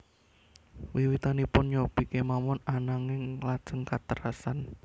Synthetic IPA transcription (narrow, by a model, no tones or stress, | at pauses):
wiwit̪anipʊnɲopikemamɔnanaŋɪŋlad̥ʒ̥əŋkat̪əɾasan